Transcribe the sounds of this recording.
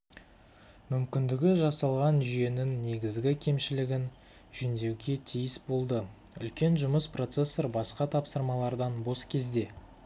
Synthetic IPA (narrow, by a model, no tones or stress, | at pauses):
mʏmkʲɪnd̪ɪɡʲɪʒɑsɑlˠʁɑnʒije̞nɪŋne̞ɡʲɪzɡʲɪkʲʰe̞mʃɪlɪɡʲɪn | ʒʏnd̪e̞wɡʲe̞t̪ʰijɪsbo̞lˠd̪ə | ʏ̰lkʲe̞nʒʊməspro̞t̪se̞sːoɾbɑsqɑt̪ʰɑpsəɾmɑlˠɑɾd̪ɑnbo̞skʲʰe̞zd̪e̞